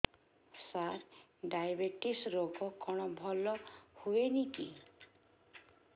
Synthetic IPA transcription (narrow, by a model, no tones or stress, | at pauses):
saɾ | ɖajabeʈisɾoɡʱɔkɔɽ̃ɔbʱɔlɔhuenit̪i